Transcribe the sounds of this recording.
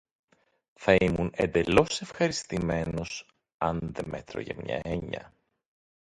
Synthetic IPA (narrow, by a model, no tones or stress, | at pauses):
θɐimune̞nd̪e̞lo̞se̞fxɐɾist̪ime̞nos | ɐnðe̞me̞t̪ɾo̞̰ʝɐ̰mɲɐ̰e̞ɲɐ̰